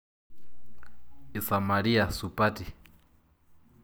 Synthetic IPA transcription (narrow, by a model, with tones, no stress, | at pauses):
i˨sa˨ma˨ɺi˦a˨su˨pʼa˦tʼi˨